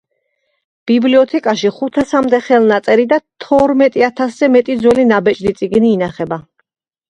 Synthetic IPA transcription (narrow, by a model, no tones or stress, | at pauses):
b̥ibliɔt̪ʰɛkʼaʃiχut̪ʰasamd̪ɛχɛlˠnat̪sʼɛɾid̪at̪ʰɔɾmɛt̪ʼiat̪ʰaszɛmɛt̪ʼid̪zwɛlinabɛt͡ʃʼd̪it̪sʼiɡniːnaχɛba